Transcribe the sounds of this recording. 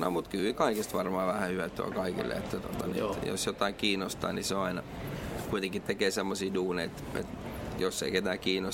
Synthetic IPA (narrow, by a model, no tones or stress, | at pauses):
no̰mut̪kyːkɑikest̪ʋɑrmɑːʋæhæhyʋæt̪ːuɑ̰kɑikḭlːḛḛt̪ːæt̪ot̪ɑnḭjo̰sjot̪ɑikiːnost̪ɑ̰ːniseoɑinɑkuit̪eŋkit̪ekeːsemːosiːduːneiet̪ḛt̪josːḛiket̪æːkiːnos